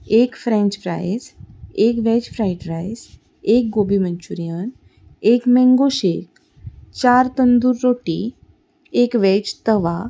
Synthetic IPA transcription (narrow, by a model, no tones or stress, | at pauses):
ekfɾɛ̃ɲt͡ɕpɾa̰jzekʋɛt͡ɕfɾajʈɾajs | ek̚ɡobiməɲt͡ɕuɾijən | ekmɛ̃ŋɡoɕek | t͡ɕaɾt̪ənd̪uɾːoʈḭ | ekʋɛt͡ɕt̪əʋa